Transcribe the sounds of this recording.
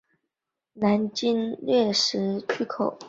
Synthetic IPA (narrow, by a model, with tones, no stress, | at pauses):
na˧˥nt͡ɕi˥nljɛ˥˩ʂɻ̩˧˥t͡ɕʰy˥kʰo˨˩˦